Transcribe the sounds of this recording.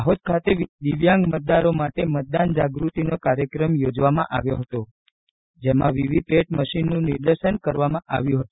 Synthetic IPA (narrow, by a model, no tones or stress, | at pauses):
aɦot̪̚kʰat̪ed̪iʋjãŋɡmət̪̚d̪aɾomaʈemət̪̚d̪and͡ʒaɡɾut̪inokaɾjəkɾəmjod͡ʒʋamãʔa̰ʋjoɦət̪o | d͡ʒemã̰ʋiʋipeʈməʃinːũnɪɾd̪əʃənkəɾʋamãʔa̰ʋjũɦət̪o